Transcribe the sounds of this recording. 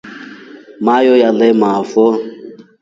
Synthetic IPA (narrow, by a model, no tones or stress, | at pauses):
majɔjalɛmafɔ